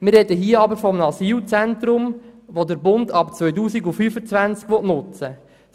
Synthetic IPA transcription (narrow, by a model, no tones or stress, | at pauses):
mɪrrɛdəɦiːəɑbəɾfɔmnɑsiːlt͡sæntɾʊmʋodəɾbʊndɑpt͡sʋœʏtuːsiɡufyːfət͡sʋænt͡skʋɔtnʊt͡sə